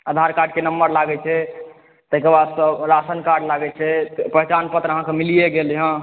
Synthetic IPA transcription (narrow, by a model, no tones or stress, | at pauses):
əd̪ʱaɾkaɾɖkenəmbəɾlaɡɛt͡ʃʰɛ | t̪əkeɾbad̪səɾasənkaɾɖlaɡɛt͡ʃʰɛpəɦɛt͡ʃanpət̪ɾəɦãkemilijeɡelɦã